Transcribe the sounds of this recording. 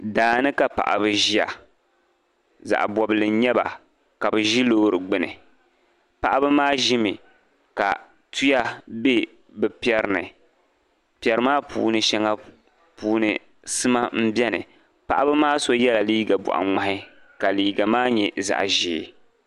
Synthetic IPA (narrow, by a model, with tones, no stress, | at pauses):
daː˨nɨ˦ka˨pa̰˨ʔa̰˨bɨ˨ʒi˦a̰˨ | za̰˨ʔbɔ˨bɨ˨lɨ˨˦ɲɛ˦ba̰˨ | ka˨bɨ˨ʒi˦loː˦ɾɨ˨ɡ͡bɨ˦nɨ̰˨ | pa˨ʔa˦bɨ˦maː˦ʒi˦mɨ˨ | ka̰˨ | tu˦ja˦be˦ | bɛ˨pi˦ɛ˨ɾɨ˨nɨ̰˨ | pi˨ɛ˨ɾɨ˦maː˦puː˨nɨ˨ʃɛ˦ŋa˦ | puː˦nɨ̰˨ | sɨ˦ma˦m̩˦bʲɛ˦nɨ̰˨ | pa˨ʔa˦bɨ˦maː˦so˦jɛ˦la˨liː˦ɡa˨bɔ̰˨ʔa̰˨ŋ͡ma˨hɪ˦ | ka˨liː˨ɡa˨maː˦ɲɛ˨za̰˨ʔʒiː˨˦